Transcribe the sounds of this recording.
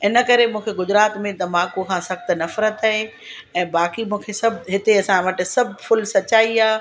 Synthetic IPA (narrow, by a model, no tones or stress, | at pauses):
ɪnə̆kɐɾemũːkʰeɡʊzɾaːt̪mẽt̪ɐmãːkokʰãːsɐxt̪nɐfɾət̪aɦe | ɛ̃ːbaːkimũːkʰesɐbʱɦɪt̪eɐsãʋɐʈɪ̆sɐbʱfʊlsɐt͡ɕaːiaː